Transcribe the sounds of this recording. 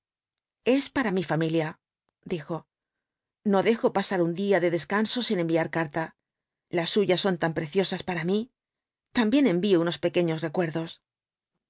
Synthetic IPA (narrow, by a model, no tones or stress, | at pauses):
e̞spaɾamifamilja | d̪ixo̞ | no̞ðe̞xo̞pasaɾund̪iaðe̞ðe̞skanso̞sine̞mbiaɾkaɾt̪a | lasːuʝasːo̞nt̪ampɾe̞θjo̞saspaɾami | t̪ambje̞nẽ̞mbiouno̞spe̞ke̞ɲo̞sre̞kwe̞ɾðo̞s